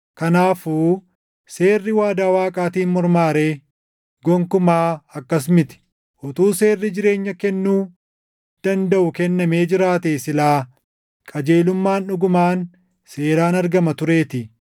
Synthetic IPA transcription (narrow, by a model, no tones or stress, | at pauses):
kɐnaːfuː | se̞ːrːɪwaːd̪aːwaːkʼaːt̪iːnmɔɾmaːɾe̞ː | ɡɔŋkʊmaːɐkːɐs̬mɪt̪ɪ̥ | ʔɔt̪uːse̞ːrːɪd͡ʒɪɾe̞ːɲːɐkɛnːuː | d̪̥ɐnd̪ɐʔʊkɛnːɐme̞ːd͡ʒɪɾaːt̪eːsɪlaː | kʼɐd͡ʒe̞ːlʊmːaːnʊɡʊmaːn | se̞ːɾaːnɐɾɡɐmɐt̪ʊɾe̞ːt̪ɪ